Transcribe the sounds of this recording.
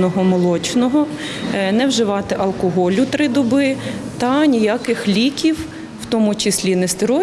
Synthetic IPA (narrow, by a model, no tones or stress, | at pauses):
nɔɦɔmɔlˠɔt͡ʃnɔɦɔnɛwʒɪʋɑt̪ɪʔɐlˠkɔɦɔlʲʊt̪ɾɪd̪ɔbɪt̪ɐnʲijakɪxlʲikʲiw | wt̪ɔmʊt͡ʃɪsʲlʲinɛst̪ɪɾɔ